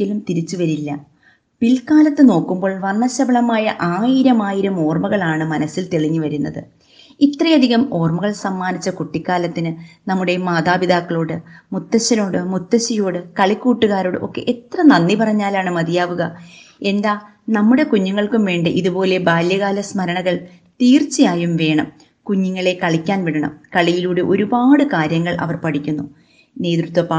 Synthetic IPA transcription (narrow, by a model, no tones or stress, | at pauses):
ilumt̪iɾit͡ɕːuʋɐɾilːɐ | pilkaːlɐt̪ːɨno̞ːkːumbo̞ːɭʋɐɳːɐɕɐbɐɭɐmaːjɐʔaːjiɾɐmaːjiɾɐmo̞ːrmɐɣɐɭaːɳɨmɐnɐsːilt̪eɭiɲːuʋɐɾunːɐ̰ðɨ̰ | it̪rɐjɐd̪ʱiɣɐmo̞ːrmɐɣɐɭsɐmːaːnit͡ɕːɐkuʈːikːaːlɐt̪ːinɨnɐmːuɽe̞maːðaːbid̪aːkːɐɭoːɽɨmut̪ːɐɕɐno̞ːɽɨmut̪ːɐɕiɐjoːɽɨkɐɭikːuːʈːuɣaːɾo̞ːɽɨʔo̞̰kːe̞̰ʔet̪rɐnɐnːipɐrɐɲːaːlaːɳɨmɐd̪ijaːʋuɣɐ | e̞nd̪aː | nɐmːuɽe̞kuɲːuŋːɐɭkumʋe̞ːɳɖɨʔiðupo̞ːle̞baːljɐɣaːlɐsmɐɾɐɳɐɣɐɭ | t̪iːrt͡ɕːijaːjumʋe̞ːɳɐm | kuɲːiŋːɐɭe̞kɐɭikʲːaːnʋiɽɐɳɐ̰mkɐɭijiluːɽeʔo̞ɾubaːɽɨkaːɾjɐŋːɐɭʔɐ̰ʋɐrpɐʈʰikʲːunːu | ne̞ːt̪rut̪ʋɐpa